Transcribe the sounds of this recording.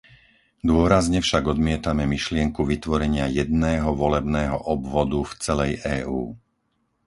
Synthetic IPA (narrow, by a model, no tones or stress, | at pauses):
d̪ʊɔɾazɲɛfʃaɡɔd̪mɪɛt̪amɛmiʃlɪɛŋkuʋit̪ʋɔɾɛɲɪajɛd̪nɛːɦɔʋɔlɛbnɛːɦɔʔɔbʋɔd̪uft͡sɛlɛjɛːʔuː